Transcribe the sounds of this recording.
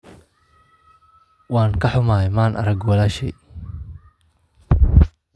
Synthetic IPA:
wɑːŋkʰɐħʊmaːjmaːnʔɐ̰ɾɐɡwɑlaːʃɛj

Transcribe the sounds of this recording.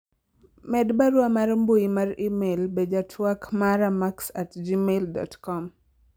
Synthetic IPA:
mɛdbaɾwamarmbojimarimelbed͡ʒatʰwakmaɾamaksatd͡ʒimeldɔ̰tkɔm

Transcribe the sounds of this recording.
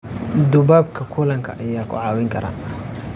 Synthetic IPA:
d̪ʊβaːb̚kʰɐkʰʊlɐŋkʰɐʔɐjaːkʰʊ̰ʕɑːwɪŋkʰɐɾa̰ː

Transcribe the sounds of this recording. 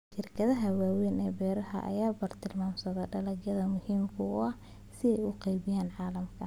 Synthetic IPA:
ʃɪrkʰɐðɐɦɐwaːwɛːnɛːbɛːɾɐɦɐ̰ʔɐ̰jaːbɐrt̪ʰɪlmaːmsɐðɛɖɐlɐɡjɐðɐmʊhiːmkʰʊʊɐh | sɪɛjʊqɑjβɪjaːnʕɑːlɐmkʰɐ

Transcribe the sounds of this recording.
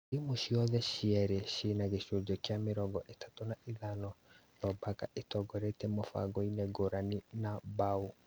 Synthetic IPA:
imoʃiɔðɛɕiɛɾeɕenaɣeɕodɔkjameɾɔɡɔʔetḁtonaʔeðanɔnɔbakaʔetɔɡɔɾetɛmɔfa̰ɣɔinɛɡoɾaninabau

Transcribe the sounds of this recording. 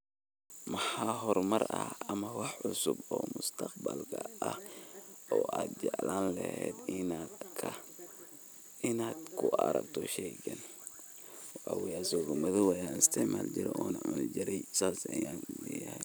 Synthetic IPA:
mɑħɑːɦɔrmɐrɐhɐmɐwɑħʕʊsʊbɔːmʊst̪ʰɐqbɐlkʰɐʔɐh | ɔːʔaːd̪̚d͡ʒɛʕlaːnlɛhɛːd̪nʰɐ | ɪnaːd̪kʰʊʔɐɾɐɡt̪ʰɔʃɛːɡɐn | ʔawɪjaːsɔːɣɐmɐðɪwɑjanɪst̪ʰɛʕmaːld͡ʒɪɾɛ̰ʔɔːnɐʕʊnɪd͡ʒɪɾɛjsaːsɐjanlɛːjɐhɛj

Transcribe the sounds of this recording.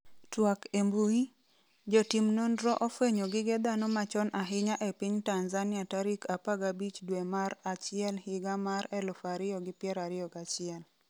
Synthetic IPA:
twakembui | d͡ʒotimnondɾɔʔofweɲoɡɪɡɛd̪anomat͡ʃɔnaɦɪɲaʔepɪɲtanzanɪataɾikapaɡabit͡ʃdwemaɾat͡ʃɪɛlhɪɡamaɾɛlʊfaɾɪjɔɡɪpjɛɾaɾɪɔɡat͡ʃɪɛl

